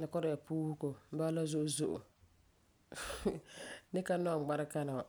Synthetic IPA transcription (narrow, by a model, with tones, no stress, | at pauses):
la˨kɔ˦ɾɪ˨ja˨puː˦hu˦ko˨m̩˦baː˦la˦zʊ˦ʔʊ˦zʊ˦ʔʊ̰˨ | nɪ˦ka˦nɔ˦˨ɡ͡ba˦ɾɪ˦ka˦na˨